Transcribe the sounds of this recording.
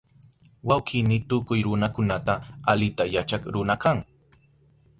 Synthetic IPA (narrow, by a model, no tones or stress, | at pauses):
wawkɪnɪt̪ʊkʊjɾʊnakʊnat̪aalɪt̪ajat͡ʃakɾʊnakaŋ